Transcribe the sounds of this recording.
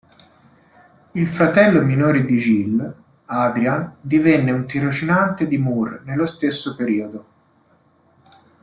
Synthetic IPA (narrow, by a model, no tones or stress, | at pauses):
ilfɾat̪ɛlːominoːɾed̪id͡ʒil | ad̪ɾiand̪ivenːeunt̪iɾot͡ʃinant̪ed̪imurnelːost̪esːopeɾiːod̪o